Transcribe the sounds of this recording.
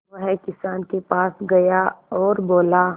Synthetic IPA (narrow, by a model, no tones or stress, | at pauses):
ʋɐɦɛkɪsaːnkepaːsɡɐjaɔːɾboːla